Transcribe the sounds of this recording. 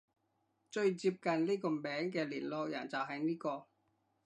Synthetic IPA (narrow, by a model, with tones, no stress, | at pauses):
t͡ʃɵ˧ɥt͡siː˧p̚kɐ˨nliː˥kɔː˧mɛː˨˥ŋkɛː˧liː˨˩nlɔː˧k̚jɐ˨˩nt͡sɐ˨˩wɦɐ˨jniː˥kɔː˧